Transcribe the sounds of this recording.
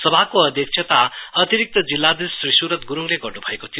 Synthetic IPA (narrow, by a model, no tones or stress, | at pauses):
sʌbʱakoʌd̪jʌk̚t͡ʃʰjet̪aʌt̪iɾik̚t̪ʌd͡zilːad̪isrisuɾʌt̪ɡuɾuŋleɡʌrnubʱʌekot̪ʰij